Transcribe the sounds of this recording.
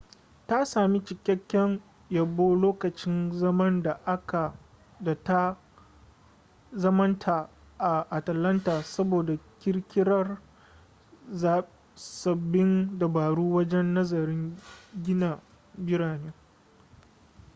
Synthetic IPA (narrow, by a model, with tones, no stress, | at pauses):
ta˦saː˨mi˦t͡ʃɪ˨kʲːɐ˦kʲːɛ˦ŋ | ja˨boː˦loː˦kɐ˨t͡ʃɪ˦nɐ˦mɐ˦nda˨ʔa˦ka˨ | ta˦ | zɐ˦mɐ˦ntʰa˨ | ʔa˨ʔa˨tɐ˨lɐ˦ntaː˨sɐ˦boː˨da˨kʲɪ˦ɽkʲɪ˦ɽɐ˦r | za˨ | sɐ˨bːɪ˦nda˨baː˨ɽuː˦wɐ˦d͡ʒɛ˦nːɐ˦zɐ˨ɾɪ˦ŋɡʲɪ˦na˨ | bɪ˦ɽaː˨neː˦